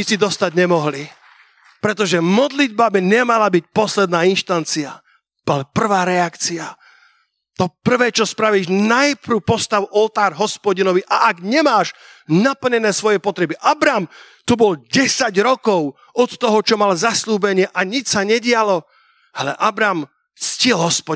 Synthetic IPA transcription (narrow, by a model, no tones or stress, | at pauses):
ɲisid̪ɔst̪aɟɲɛmɔɦli | pɾɛt̪ɔʒɛmɔd̪lid̪̚babiɲɛmalabic̚pɔslɛd̪naːinʃt̪ant͡sia | alɛpr̩ʋaːɾɛakt͡sia | t̪ɔpr̩ʋɛːt͡ʃɔspɾaʋiːʒnajpɾupɔst̪aʊɔlt̪aːɾɦɔspɔɟinɔʋiʔaʔaɡɲɛmaːʃnapl̩ɲɛnɛːsʋɔjɛpɔt̪ɾɛbiʔabɾaːm | t̪ubɔlɟɛsaɟɾɔkɔʊ | ɔt̪ːɔɦɔt͡ʃɔmalzasluːbɛɲɪɛʔaɲit͡ʃsaɲɛɟɪalɔ | alɛʔabɾaːm | t͡scɪɛlɦɔspɔ